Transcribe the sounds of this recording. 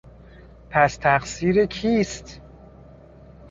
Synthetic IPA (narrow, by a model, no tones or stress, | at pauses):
pʰæst̪ʰæqsiːɾekʰiːst̪